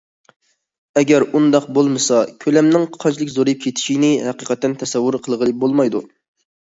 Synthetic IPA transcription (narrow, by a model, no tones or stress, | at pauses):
ɛɡʲɛɾund̪ɑq̚bolˠmɨsɑkʲʰølɛmnɪŋqʰɑnt͡ʃlˠɪkʲzoɾjip̚kʲʰet̪ʰɪ̥ʃinɪhæqiqɛt̪ːɛnt̪ʰɛsɛwːʊɾqʰəlˠʁəlˠɨbolˠmɑjd̪u